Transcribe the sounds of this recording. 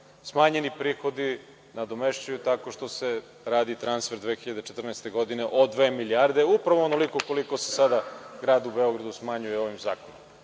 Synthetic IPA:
smaːɲe̞nipɾiːxo̞d̪i | nad̪o̞me̞ʃt͡ɕajut̪ako̞ʃt̪o̞se̞ | ɾaːd̪it̪ɾansfe̞ɾd̪ʋeːxiʎad̪et͡ʃet̪r̩naest̪e̞ɡo̞d̪ineʔod̪ʋe̞ːmiliaɾd̪e̞upɾaʋoonolikoko̞liko̞se̥sad̪aɡɾaːd̪ube̞oɡɾad̪usmaɲuje̞o̞ʋimzaːkonom

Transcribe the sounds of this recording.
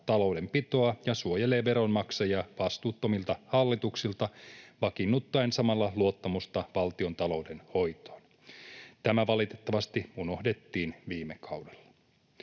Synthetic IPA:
t̪ɑlo̞wde̞mpit̪o̞ɑjɑsuojele̞ːʋe̞ɾo̞nmɑksɑjɑʋɑst̪uːt̪ːo̞milt̪ɑhɑlːit̪uksilt̪ɑʋɑkinːut̪ːɑensɑmɑlːɑluo̞t̪ːɑmust̪ɑʋɑlt̪io̞nt̪ɑlo̞wde̞nho̞jt̪o̥ːn | t̪æmæʋɑlit̪e̞̥t̪ːɑʋɑst̪iuno̞hde̞t̪ːiːnʋiːmːekʰɑwdelːɑ̥

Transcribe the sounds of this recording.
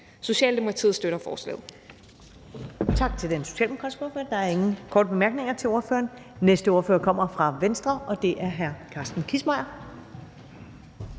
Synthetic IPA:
so̝ɕɛ̰ːld̥emo̝kʰɑt͡sʰḭð̩ˠsd̥øɾɐfɒ̰ːslɛ̰ːð̩ˠ | t͡sʰɑ̈ɡ̥t͡sʰe̝ld̥enso̝ɕɛ̰ːlmekʰɒsb̥oɐføɐd̥ɑ̈æɐe̝ŋn̩kʰɒ̰ːdəb̥e̝mæɐɡ̥ne̝ŋɐt͡sʰe̝lo̝ɐfø̰ːɐːnnesd̥əo̝ːɐfø̰ːɐkʰɒ̽m̰ɐfʁɑ̈ʋensd̥ʁɐɒ̽d̥e̝ʔæɐɦæɐkʰɑ̈ːsd̥n̩kʰismɑ̈ɪɐ

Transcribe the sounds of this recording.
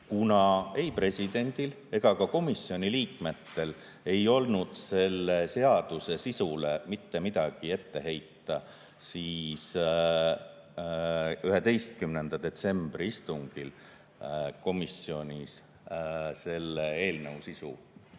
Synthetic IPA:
kunɑe̞jpre̞sʲid̪̥e̞nʲd̪̥il | e̞ɡ̥ɑkɑko̞misːio̞nʲiliːkme̞t̪ːe̞l | e̞jo̞lnud̪̥se̞lːe̞se̞ɑd̪̥use̞sisule̞mit̪ːe̞mid̪̥ɑɡ̥ie̞t̪ːe̞ɦe̞jt̪ːˑɑ | siːs | yɦe̞d̪e̞jst̪̚kymnend̪̥ɑd̪̥e̞t̪se̞mb̥riist̪uŋɡ̥il | ko̞misːio̞nʲis | se̞lːee̞ːlnəwsisṵ

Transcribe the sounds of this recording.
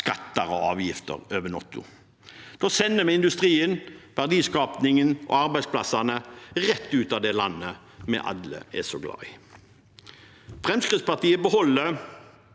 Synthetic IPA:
skɑt̪ːɑʁɔɑːʋjɪft̪ə̰ʁøːʋənɑt̪ʊ̰ | d̪̥oːsɛnːəmɛɪnd̪ʉst̪ʁiːənʋæʁd̪iːskɑːpnɪŋənʔɔ̰ɑɾbæɪspʰlɑsɑnəʁɛt̪ːʉːt̪ɑʋd̪ɛlɑnːə | mɛ̰ʔɑ̰d̪lə̰ɛsɔɡlɑ̰ːɪ | fʁɛmskʁɪt̪spɑt̪iːəbəhɔlːə

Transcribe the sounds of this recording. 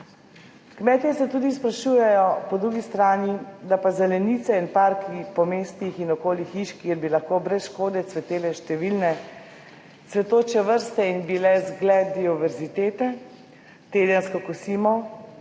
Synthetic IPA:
kmɛːt̪jɛsɛt̪uːd̪ispɾaʃuːjɛjɔpɔd̪ɾuːɡist̪ɾaːnid̪apazɛlɛnit̪sɛinpaɾkipɔmeːst̪ixinɔkoːlixiʃkiɛɾbilaxkoːbɾɛsʃkoːd̪ɛt̪sʋɛt̪eːlɛʃt̪ɛʋilnɛ | sʋɛt̪oːt͡ʃɛʋəɾst̪ɛinbilɛzɡlɛd̪iɔʋɛɾzit̪eːt̪ɛ | t̪eːd̪ənskɔkusiːmɔ

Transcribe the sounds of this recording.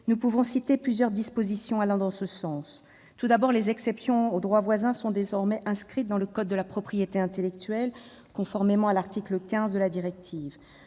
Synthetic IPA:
nupuvɔ̃sit̪eplyzjœʁd̪ispozisjɔ̃alɛ̃d̪ɑ̃səsɑ̃s | t̪ud̪abɔʁlezɛksɛpsjɔ̃od̪ʁwavwazɛ̃sɔ̃d̪ezɔʁmɛʔɛ̃skχit̪̚d̪ɑ̃ləkɔd̪ːəlapχɔpχijet̪eɛ̃t̪elɛkt̪ɥɛl | kɔ̃fɔʁmemɑ̃alaʁt̪ikləkʲɛ̃zd̪əlad̪iʁɛk̚t̪ʰiːv

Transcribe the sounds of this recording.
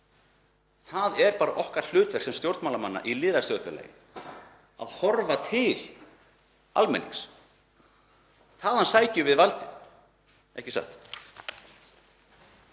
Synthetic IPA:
θaðɛɾpaːɾaʔɔhkaɾ̥l̥ʏːt̪vɛr̥ksɛmst̪jowɾt̪mawlamanːa̰ʔilɪːðɾast̪œðfɛla̰jɪ̰ | a̰ðhɔɾvat̪ʰɪl | a̰lmɛ̰nːḭks | θaðhansaːjcʏvɪðvalt̪ɪθ | ɛ̰hcɪsa̰ht̪

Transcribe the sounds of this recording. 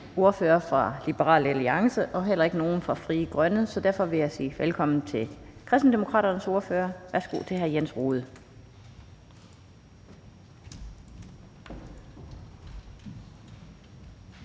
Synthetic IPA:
o̝ɐføːɐfʁɑ̈lib̥əʁɑ̰̈ːlæliɑ̈ŋsəʔɒ̽ɦel̰ɐe̝ɡ̥əno̝ːn̩fʁɑ̈fʁiːəɡ̥ʁɶnəsɒ̽d̥æɐfɒ̽ʋe̝jäɪsḭːʋelkʰɒ̽m̰n̩t͡sʰe̝kʰʁɛsd̥n̩d̥emo̝kʰʁɑ̰ːɾɐnəso̝ɐføːɐʋæɐsɡ̥o̝̰ːt͡sʰe̝ɦæɐjensʁoːð̞̩ˠ

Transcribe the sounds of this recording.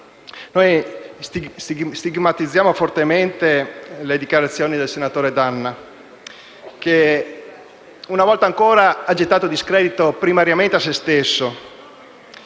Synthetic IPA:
nojst̪ist̪iɡst̪iɡmat̪id̪zːjaːmofort̪ement̪eled̪ikjaɾat̪sːjoːnid̪elsenat̪oːɾed̪anːa | k̟e | unavɔlt̪aŋkoːɾaad͡ʒet̪ːaːt̪od̪iskɾɛːd̪it̪opɾimaɾjament̪eas̬ːest̪esːo

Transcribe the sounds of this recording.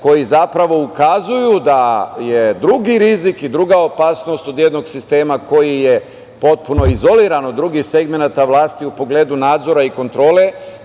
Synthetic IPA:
ko̞jizapɾaʋo̞ukazujud̪aje̞d̪ɾuɡiɾizikid̪ɾuɡao̞paːsno̞st̪o̞d̪jed̪no̞ɡsist̪e̞ːmako̞jije̞ | po̞t̪̚puno̞izo̞liːɾanod̪ɾuɡixse̞ɡme̞nat̪aʋlˠaːst̪iupo̞ɡle̞ːd̪unaːd̪zo̞ɾaiko̞nt̪ɾo̞ːle̞

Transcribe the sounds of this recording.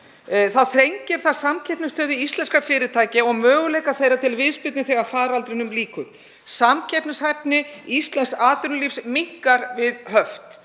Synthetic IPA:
θaðθɾejɲcɪɾ̥θaðsamcʰɛpnɪst̪œːðɪist̪lɛnskafɪːɾɪt̪ʰaːjcɪɔɣmœːɣʏlejkaθejrːat̪ʰɪlvɪðspɪt̪nɪθɛɣafaːɾalt̪ɾɪnʏmliːkʏɾ̥ | samcʰɛpnɪshɛp̚nɪist̪lɛnsaːt̪ʏɾnʏlifsmihkaɾvɪðhœft̪

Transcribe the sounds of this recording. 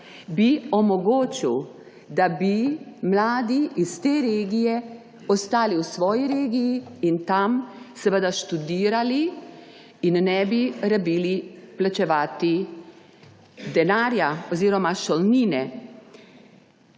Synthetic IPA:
biɔmɔɡoːt͡ʃiw | d̪abimlaːd̪iist̪eːɾeːɡijɛ | ɔst̪aːliwsʋɔːjiɾeːɡijiint̪amsɛʋəd̪aʃt̪ud̪iːɾali | innɛbiɾabiːliplat͡ʃɛʋaːt̪i | d̪ɛnaːɾjaɔziːɾɔmaʃɔlniːnɛ

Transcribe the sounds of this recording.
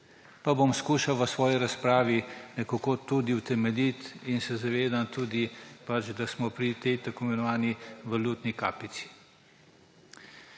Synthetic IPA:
pabomskuːʃawʋəsʋɔːjiɾaspɾaːʋinɛkakoːt̪ud̪iwt̪ɛmɛlit̪insɛzaʋeːd̪ant̪uːd̪ipat͡ʃd̪asmɔpɾit̪ɛjt̪akoimɛnɔʋaːniʋaluːt̪nika̰ːpit̪si̥

